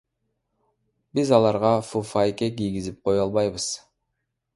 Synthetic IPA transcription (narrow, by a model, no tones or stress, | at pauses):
bizɑlˠɑɾʁɑfufajekʲekijɡizip̚qʰo̞jɑlˠβɑjβɯz̥